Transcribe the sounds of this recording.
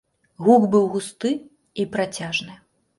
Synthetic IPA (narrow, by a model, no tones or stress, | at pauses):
ɣuɡbɨwɣust̪ɨ | ipɾat͡sʲaʐnɨ